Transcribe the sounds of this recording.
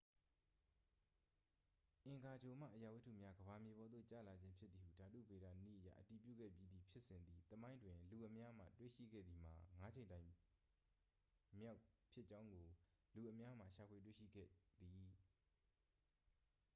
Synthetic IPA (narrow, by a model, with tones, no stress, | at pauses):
ʔɪ̃˨ŋɡa˨d͡ʑo˨m̥a̰˦˨ʔəja˨wɪ˦tʰːṵ˦˨mja˦ɡəba˨mje˨bɔ˦d̪ðo̰˦˨t͡ɕa̰˦˨la˨d͡ʑɪ̃˦mpʰjɪ˦t̪t̪ːi˨hṵ˦˨da˨dṵ˦˨be˨ɾa̰˦˨nḭ˦˨ʔəja̰˦ʔəti˨pjṵ˦˨ɡɛ̰˦˨pji˦d̪i˨pʰjɪ˦ʔsɪ̃˨nd̪ði˨t̪əmã˦ɪ̃ndwɪ̃˨lu˨ʔəmja˦m̥ä̰˦˨twḛ˦˨ʃḭ˦˨ɡɛ̰˦˨d̪ði˨m̥a˨ŋa˦d͡ʑẽ˨ɪ̃ntã˨ɪ̃ | mja˦ʊpʰjɪ˦ʔt͡ɕã˦ʊ̃ŋɡo˨lu˨ʔəmja˦m̥a̰˦˨ʃa˨pʰwe˨t̬wḛ˦˨ʃḭ˦˨ɡɛ̰˦˨d̪i˨